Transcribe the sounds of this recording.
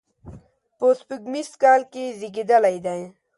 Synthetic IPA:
pospuɡmiskaːlkeziɡid̪alajd̪aẽ

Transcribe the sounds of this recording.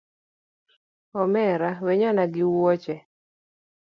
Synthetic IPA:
ɔmɛɾawɛɲɔnaɡɪwɔt͡ʃɛ

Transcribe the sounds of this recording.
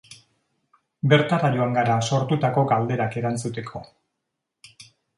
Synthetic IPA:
be̞ɾt̪aɾajo̞aŋɡaɾaso̞ɾt̪ut̪ako̞ɡald̪e̞ɾake̞ɾant͡sut̪e̞kʰo̞̰

